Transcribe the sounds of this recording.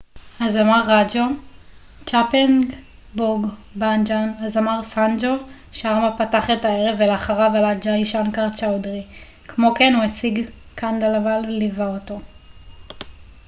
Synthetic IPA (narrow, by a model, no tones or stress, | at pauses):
hazamaʁːad͡ʒo | t͡ʃapenɡ | buɡband͡ʒanazamaʁsand͡ʒo | ʃeaʁmapataχetaeʁe̞veleaχaʁavalad͡ʒaiʃankaʁt͡ʃawdʁi | kʰmo̞ke̞nuat͡siɡ | kʰandalavallivaoto